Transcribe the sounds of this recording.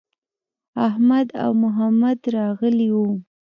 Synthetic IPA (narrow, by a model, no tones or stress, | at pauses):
aɦmad̪a̰wmʊɦamad̪ɾɑɣəliwu